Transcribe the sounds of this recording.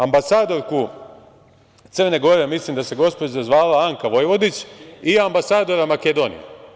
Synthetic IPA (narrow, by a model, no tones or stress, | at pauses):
ambasaːd̪o̞ɾku | t̪srne̞ɡo̞ɾemislimd̪ase̞ɡo̞spod͡ʑzazʋaːlaaŋkaʋo̞jʋo̞d̪it͡ɕiambasaːd̪o̞ɾamaked̪o̞nḭja̰